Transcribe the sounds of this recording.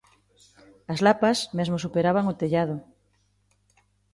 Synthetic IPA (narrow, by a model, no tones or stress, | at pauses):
azlapasmezmosupeɾaβaŋot̪eʎað̞o